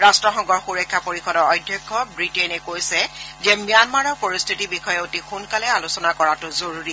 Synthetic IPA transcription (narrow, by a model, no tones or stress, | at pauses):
ɹastɹɔxɔŋɡɔɹxuɹɔkʰːapoɹixɔdɔɹɔjdʱjɔkʰːɔbɹitenɛkojsɛzɛmijanmaɹɔɹpoɹistʰitibixɔjɛotixunkalɛalusɔnakɔɹatʊzoɹuɹi